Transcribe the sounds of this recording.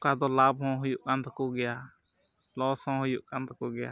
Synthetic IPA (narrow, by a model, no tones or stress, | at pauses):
kad̪ɔlabɦɔ̃ɦujuʔkant̪akɔɡɛja | lɔshɔ̃ɦujuʔkant̪ɔkɔɡɛja̰